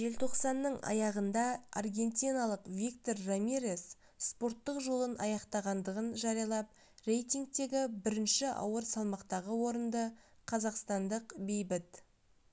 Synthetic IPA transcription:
ʒe̞lt̪ʰo̞qsɑnːəɴɑ̰jɑʁənd̪ɑa̰rɡʲe̞nt̪ʲinɑlˠəqvʲikt̪o̞rːamʲiɾes | spo̞rt̪ːəqʒolˠənɑjɑqt̪ɑʁɑnd̪əʁənʒɑɾijɑlˠɑp̚ | re̞jt̪iŋɡ̚t̪e̞ɡʲɪbɪɾɪnʃɪʔɑ̰wəɾsɑlˠmɑqt̪ɑʁəwo̞ɾənd̪əqʰɑzɑqst̪ɑnd̪əqbe̞jbɪt̪

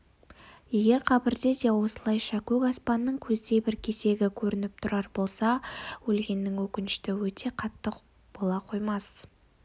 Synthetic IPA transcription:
je̞ɡʲe̞ɾqʰɑbɪɾd̪e̞d̪ewo̞səlˠɑjʃɑkʲʰɵɡɑspɑnːəɴkʲʰɵzd̪e̞jbɪɾkʲʰe̞se̞ɡʲɪkʲʰɵɾɪnɪp̚t̪ʰʊɾɑɾbo̞lˠsɑwɵlɡʲe̞nːɪŋwɵkʲɪnɪʃt̪ɪwɵt̪ʰe̞qʰɑt̪ːəq | b̥o̞lˠɑqʰo̞jmɑs

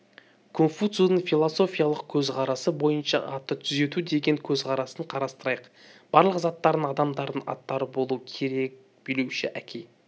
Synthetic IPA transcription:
kʰonfut̪sunəɴfilˠoso̞fʲijalˠəqkʲʰɵzqʰɑɾɑsəbo̞jənʃɑ̰ʔɑt̪ːət̪ʰʏze̞t̪ud̪e̞ɡʲe̞ŋkʲʰɵzqʰɑɾɑsəɴqʰɑɾɑst̪əɾɑjəq | b̥ɑɾlˠəqzɑt̪ːɑɾd̪əɴɑd̪ɑmd̪ɑɾd̪əɴɑ̰t̪ːɑɾəbo̞lˠuəkʲʰe̞ɾe̞k̚ | b̥eluʃɪʔækʲʰe̞j

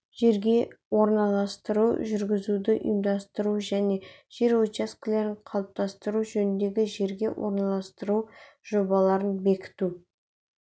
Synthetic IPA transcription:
ʒ̥e̞ɾɡʲe̞wo̞ɾnɑlˠɑst̪əɾuʒʏɾɡʲɪzud̪ɪʔjmd̪ɑst̪əɾuʒæne̞ʒ̥e̞ɾwot͡ʃaskʲɪle̞ɾɪɴqʰɑlˠəp̚t̪ʰɑst̪əɾuʒɵnɪnd̪e̞ɡʲɪʒe̞ɾɡʲe̞wʔo̞̰ɾnɑlˠɑst̪əɾuw | ʒ̥o̞bɑlˠɑɾənbe̞kʲɪ̥t̪u

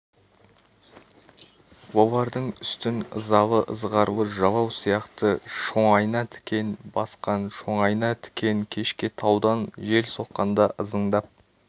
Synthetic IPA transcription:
wo̞lˠɑɾd̪əɴʏst̪ɪnə̰zɑlˠəʔəzʁɑɾuwəʒɑlˠɑwsijɑqt̪əʃo̞ɴɑjnɑt̪ʰɪ̥kʲe̞nbɑsqɑnʃo̞ɴɑjnɑt̪ʰɪ̥kʲe̞ŋkʲʰe̞ʃkʲet̪ʰɑwd̪ɑnʒe̞lso̞qːɑnd̪ɑʔəzəɴd̪ɑp̚

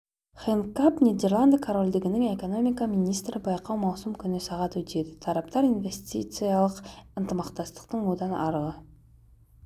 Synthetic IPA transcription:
χenkapnʲid̪e̞rlˠand̪əkʰoɾo̞lʲd̪eɡʲɪnɪŋe̞ko̞no̞mijkaminijst̪ɾɪbɑjqɑwmɑwsumkʲʰʏnɪsɑʁɑt̪wɵt̪e̞d̪ɪt̪ʰɑɾɑp̚t̪ɑɾinve̞st̪ʲit̪sɨjɑlˠəqɪnt̪əmɑqt̪ɑst̪ə̥qt̪əɴwod̪ɑnɑ̰ɾəlˠə

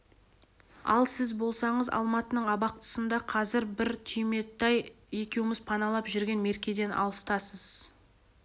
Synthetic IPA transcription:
ɑ̰lˠsɪzbo̞lˠsɑɴəzɑ̰lˠmɑt̪ənəɴɑbɑq̚t̪ə̥sənd̪ɑqʰɑzɪɾbɪɾt̪ʰyjme̞t̪ːɑj | e̞kʲewɪmɪzpʰɑnɑlˠɑpʒʏɾɡʲe̞nme̞ɾkʲe̞d̪e̞nʔɑ̰lˠəst̪ɑsəz̥

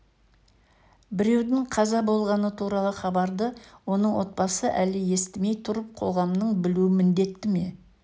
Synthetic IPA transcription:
bɪɾe̞wd̪ɪŋqʰɑzɑbo̞lˠʁɑnət̪ʰuɾɑlˠəχɑbɑɾd̪əwo̞nəɴwo̞t̪̚pɑsəʔælɪje̞st̪ɪme̞jt̪ʰʊɾəp̚qʰo̞̰ʁɑmnəɴbɪluɪmɪnd̪e̞t̪ːɪme̞

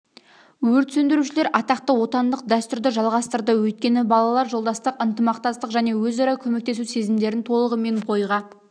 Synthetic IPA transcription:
wɵɾt̪sɵnd̪ɪɾuʃɪle̞ɾʔɑt̪ɑqt̪əwo̞t̪ɑnd̪əq̚d̪æst̪ʏɾd̪ɪʒɑlˠʁɑst̪əɾd̪əwɵt̪̚kʲe̞nɪbɑlˠɑlˠɑɾʒo̞lˠd̪ɑst̪əqənt̪əmɑqt̪ɑst̪əqʒæne̞wɵzɑɾɑkʲʰɵme̞k̚t̪e̞suse̞zɪmd̪e̞ɾɪnt̪ʰo̞lˠəʁəme̞ɴqʰo̞jʁɑ

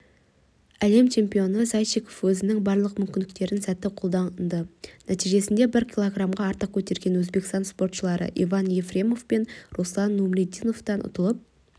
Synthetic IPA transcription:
æle̞mt͡ʃʰe̞mpijo̞nəsɑjʃikʰo̞fwɵzɪnɪŋbɑɾlˠəq̚mʏmkʲɪnd̪ɪk̚t̪e̞ɾɪnsæt̪ɪqʰo̞lˠd̪ɑnd̪ənʔæt̪ijʒe̞sɪnd̪ebɪɾkʲʰilˠoɡramʁɑːɾt̪əq̚kʲʰɵt̪e̞ɾɡʲe̞nwɵzbekst̪ɑnspo̞rt̪ʃəlˠɑɾə̰ʔḭvɑnje̞frʲe̞mo̞fpe̞nroslˠɑnːumled̪ijno̞ft̪ɑnʊ̰t̪əlˠəp̚

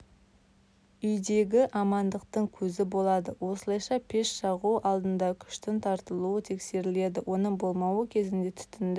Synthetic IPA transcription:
ʏjd̪e̞ɡʲɪʔɑmɑnd̪əq̚t̪əɴkʲʰɵzɪbo̞lˠɑd̪əwo̞səlˠɑjʃɑpʰe̞ʃʃɑʁuʔɑlˠd̪ənd̪ɑkʲʰʏ̥ʃt̪ɪnt̪ʰɑɾt̪əlˠuət̪ʰe̞kse̞ɾɪle̞d̪ɪwo̞nəɴbo̞lˠmɑwəkʲʰe̞zɪnd̪e̞t̪ʰʏ̥t̪ɪnd̪ɪ

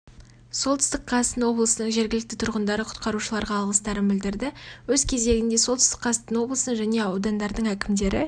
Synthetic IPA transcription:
so̞lˠt̪ʰɪ̥st̪əqʰːɑst̪ənwo̞blˠəsənəɴʒe̞ɾɡʲɪlɪk̚t̪ɪt̪ʰʊɾʁənd̪ɑɾəqʰʊ̥t̪qɑɾuʃəlˠɑɾʁɑːlˠʁəst̪ɑɾənbɪld̪ɪɾd̪ɪwɵz̥kʲʰe̞ze̞ɡʲɪnd̪e̞so̞lˠt̪ʰʏst̪ə̥qʰːɑst̪ənwo̞blˠəsəəɴʒæne̞ɑwd̪ɑnd̪ɑɾd̪əɴækʲɪmd̪e̞ɾɪ

